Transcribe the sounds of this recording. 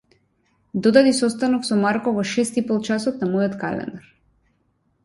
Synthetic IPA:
d̪ɔd̪ad̪isɔst̪anɔksɔmaɾkɔvɔʃɛst̪ipɔlˠt͡ʃasɔt̪namɔjɔt̪ka̰lɛ̰nd̪aɾ

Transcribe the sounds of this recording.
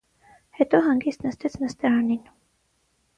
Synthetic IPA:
hɛt̪ɔɦɑŋɡist̪nəst̪ɛt͡sʰnəst̪ɛɾɑnin

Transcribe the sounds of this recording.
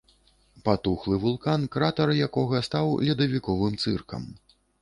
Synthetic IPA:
pat̪uxlˠɨvulˠkankɾat̪ɐɾɐjakɔɣɐst̪awlʲɛd̪ɐvʲikɔvɨmt̪sɨ̰rkɐ̰m

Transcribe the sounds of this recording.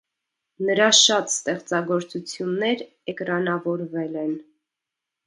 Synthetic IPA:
nəɾɑʃɑt̪st̪ɛχt͡sɑɡɔɾt͡sut͡sʰjunːɛɾ | ɛkɾɑnɑvɔɾvɛlɛn

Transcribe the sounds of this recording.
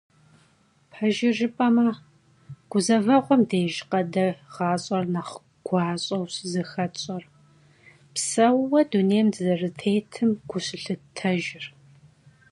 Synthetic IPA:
pʰɐʒɪʒɪpʼɐmɐ | ɡ̥ʷʊzɐvɐʁʷɔmdeːʒɪqɐdɐʁ̥ɑːɕʼɐrnɐχ | ɡ̥ʷɑːɕʼɐwɕzɨxɐt͡ʃʼɐr | psɐwwɐduneːjmdɨzɐrɨtʰeːjtʰɨmɡʷʊɕɪɬɨtʰɐʒɪr

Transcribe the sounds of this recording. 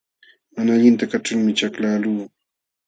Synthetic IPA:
manaːʎɪnt̪akaʈ͡ʂʊlmɪt͡ʃaklaːluː

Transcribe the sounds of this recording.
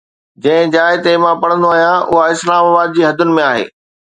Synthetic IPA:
d͡ʑɐ̃ɦɪ̃d͡ʑaːɪt̪emãpɐɽ̤̃ə̃nd̪oaːɦijãʔʊɦaɪslaːmaːbaːd̪̚d͡ʑiːɦɐd̪ʱʊnɪ̆mẽaːɦḛː

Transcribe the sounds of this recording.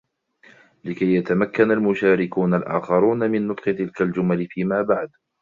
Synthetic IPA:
lɪkajːat̪amakːanalmʊʃaːɾɪkuːnalʔa̰ːxɑɾˤuːnamɪnːʊt̪ˤqɨt̪ɪlkald͡ʒʊmalɪfiːmaːbaʕd̪

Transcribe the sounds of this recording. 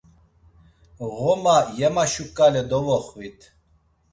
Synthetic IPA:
ʁɔmajɛmaʃukʼalɛd̪ɔvɔχvit̪ʰ

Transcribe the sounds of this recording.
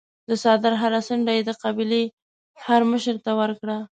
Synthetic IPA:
d̪əsɑd̪ɪɾɦaɾasəɳɖajed̪əqabile | haɾməʃəɾt̪awəɾkɽa

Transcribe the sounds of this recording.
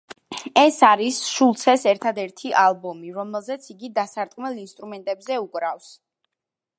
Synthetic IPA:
ɛsaɾisʃulˠt̪sʰɛsɛɾt̪ʰad̪ɛɾt̪ʰiʔalˠbɔmiɾɔmɛlˠzɛt̪sʰiɡid̪asaɾt̪ʼqʼmɛlˠinst̪ʼɾumɛnt̪ʼɛbzɛukʼɾafs

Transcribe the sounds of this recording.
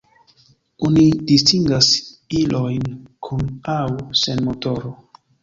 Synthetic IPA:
onidistiŋɡasilʔojnkʰunawsenmotoɾo

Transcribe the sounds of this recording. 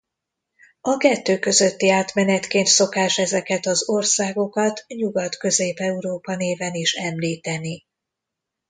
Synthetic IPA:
ɒkɛt̪ːøːkø̞zø̞t̪ːiaːt̪mɛnɛt̪keːnt̪so̞kaːʃɛzɛkɛt̪ɒzo̞rsaːɡo̞kɒt̪ɲuɡɒt̪kø̞zeːpɛuɾoːpɒneːvɛniʃɛmliːt̪ɛni

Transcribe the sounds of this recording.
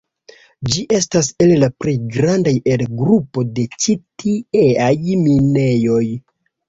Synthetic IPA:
d͡ʒiʔe̞stase̞llapɾejɡɾandaje̞lɡɾupo̞de̞t͡ʃitieajmine̞jo̞j

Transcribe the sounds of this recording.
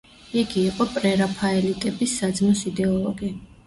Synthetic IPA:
iɡiːqʼɔpʼɾɛɾapʰaɛlit̪ʼɛbisːad̪zmɔsid̪ɛɔlˠɔɡi

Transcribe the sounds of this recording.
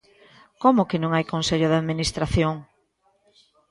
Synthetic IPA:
komʊkɪnõŋajkonseʎʊðaðminist̪ɾaθjoŋ

